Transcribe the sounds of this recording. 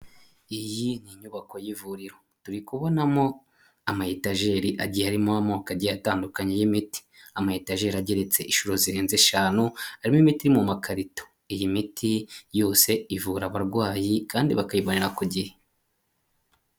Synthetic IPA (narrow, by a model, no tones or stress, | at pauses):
ijiniɲuβako̞jivuɾiɾo̞ | tuɾikuβo̞namo̞ | amahitaʒe̞ːɾiʔaɟijaɾimohamokaɟataːndukaɲejimiti̥amahitaʒe̞ɾaɟeɾe̞t͡se̞ʔiʃuɾo̞ziɾeːnzeʃaːnuhaɾimimitiɾimumakʰaɾito̥ | ijimitʰijo̞ːse̞ivuɾaβaɾɡwaːjikaːndiβakajiβoneɾakuɟihe